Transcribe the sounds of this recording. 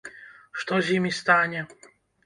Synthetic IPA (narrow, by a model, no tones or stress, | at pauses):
ʂt̪ɔʑimʲist̪aɲʲɛ